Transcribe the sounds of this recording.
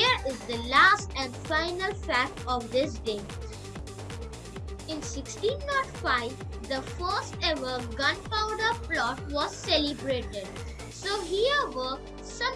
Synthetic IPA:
əɾɪzd̪əlaːsʈɛ̃ɳɖfãɪnəlfæk̚ʈɔʋd̪ɪs̬ɖeː | ɪ̃nsɪksʈĩːnːɔʈfaɪʋ | d̪əfəːsʈɛʋəɡʌ̃npãʊɖəflɔːʈʋɔz̥sɛlɪbɾeːʈeɖ | soːɦiəʋə | sʌ̃

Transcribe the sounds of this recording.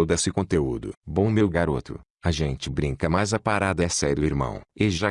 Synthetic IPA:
wd̪esɪkõt̪eud̪ʊ̰bõmewɡaɾot̪ʊ̰ | ɐʒẽnt͡ʃɪbɾĩŋkɐmajzɐpaɾad̪ɐɛsɛɾʊiɾmɐ̰̃w̃eʒa

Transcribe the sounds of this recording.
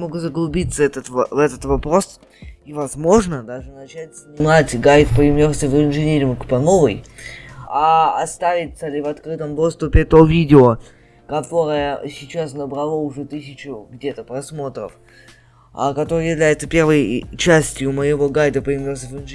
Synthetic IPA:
moɡʊzəɡlˠʊbʲit̪sːəɛt̪ət̪vvɛt̪ət̪vɐpɾo̞s | ivɐzmo̞ʐnəd̪aʐɨnɐt͡ɕætʲsʲnʲɪmatʲɡajt̪pəɪmʲorsʲəvɪnʐɨnʲeɾʲɪmkpɐno̞vɨj | aɐst̪avʲɪt̪səlʲɪvɐt̪kɾɨt̪əmd̪o̞st̪ʊpʲɪt̪o̞vʲidʲɪo | kɐt̪o̞ɾəjəsʲɪt͡ɕasnəbɾɐlˠoʊʐɛt̪ɨsʲɪt͡ɕʊɡdʲe̞t̪əpɾɐsmo̞t̪ɾə̰f | a̰kɐt̪o̞ɾɨjɪvlʲæjɪt̪səpʲe̞rvəjt͡ɕæsʲtʲjʊməjɪvo̞ɡajd̪əpəɪmʲorsʲəvɪnʐ

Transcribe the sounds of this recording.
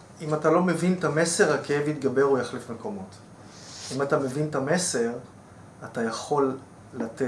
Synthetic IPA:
imatalo̞me̞vintame̞se̞ʁhakeevit̪ɡabe̞ʁujaχlefmeko̞mo̞t | imatame̞vintame̞se̞ʁ | atajaχo̞lː | ate

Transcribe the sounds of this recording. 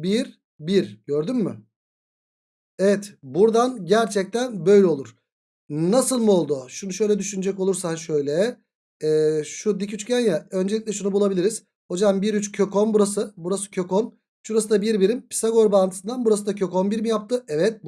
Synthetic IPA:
biɾ | biɾɟøɾd̪ymːy̰ | ɛvɛt̪buɾd̪anɟæɾt͡ʃʰɛc̚t̪ʰænbø̞jlʲɛo̞lˠuɾ̥ | nasɯlˠmuo̞lˠd̪uʃunuʃø̞jlʲɛd̪yʃynyd͡ʒɛko̞lˠuɾsanʃø̞jlʲɛː | ʃud̪icyt͡ʃcænjaø̞nd͡ʒe̞lʲicʲlʲɛʃunubulˠabilʲiɾiz̥ | ho̞d͡ʒambiɾyt͡ʃcʰøkʰonbuɾasɯbuɾasɯ̥cʰø̞kon | ʃuɾas̬ɯd̪abiɾbiɾimpʰi̥saɡo̞ɾbaːnt̪ɯsɯnd̪anbuɾasɯd̪acʰø̞konbiɾmijap̚t̪ʰɯɛvɛt̪̚

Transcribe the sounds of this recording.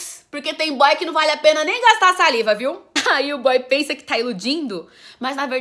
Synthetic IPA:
poɾket̪ẽj̃bɔjkɪnɐ̃w̃valɪapẽnɐnẽj̃ɡast̪asalivɐviwaiʊbɔjpẽsɐkɪ̥t̪aelud͡ʒĩnd̪ʊ | mɐznɐveɾ

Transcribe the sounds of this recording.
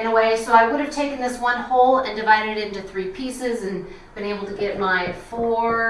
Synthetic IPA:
nəweɪsoʊaɪwʊɾɨv̥tʰeɪkɨ̃n̩ðɪswʌ̃nhoʊlˠɨ̃ndɨvaɪɾɨɾɨɾɪ̃ntʉθɹipʰisɪzɨ̃n | b̥ɨ̃ñeɪbl̩ˠtʰɨɡɛt̚maɪfɔ

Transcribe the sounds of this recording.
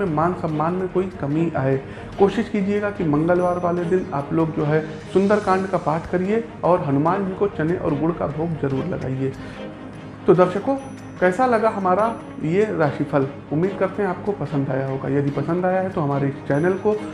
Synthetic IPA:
ẽmaːnsɐ̃mːaːnmẽkoːikɐmiʔaːe | koːʃɪʃkiːd͡ʒieːɡakimɐ̃ŋɡəlʋaːɾʋaːled̪ɪna̰ːploːɡd͡ʒoːɦɛ | sʊ̃nd̪əɾkãːɳɖkapaːɾʈʰkɐɾie | ɔːɾɦɐnʊmaːnd͡ʒʱikot͡ʃɐneʔɔ̰ːɾɡʊɽ̤ka̰bʱoːɡzɐɾuːɾlɐ̰ɡa̰ːieː | t̪od̪ɐɾʃəko | kɛːsalɐɡaɦɐmaːɾa | jeɾaːʃipʰəl | ʊmːiːd̪̚kɐɾt̪eɦɛ̃aːp̚kopɐsə̃nd̪aːjaɦoːɡa̰jɐd̪ipɐsə̃nd̪aːjaɦɛt̪oɦɐmaːɾekt͡ʃɛːnəlko

